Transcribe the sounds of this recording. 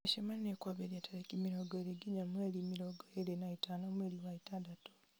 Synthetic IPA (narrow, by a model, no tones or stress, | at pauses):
eʃemannekwaβeɾjataɾekimiɾoɡoeɾeɡiɲamwelimiɾoɡoeɾenaitanomweliwaitadato̥